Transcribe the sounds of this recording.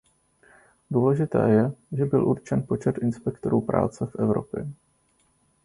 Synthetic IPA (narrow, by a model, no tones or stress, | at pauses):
duːlɛʒɪt̪ɛ̰ːjɛʒɛbɪlʔuɾt͡ʃɛnpo̞t͡ʃɛt̪ʔɪnspɛkt̪o̞ɾuːpɾʔa̰ːt͡sɛfʔɛvɾo̞̰pjɛ̰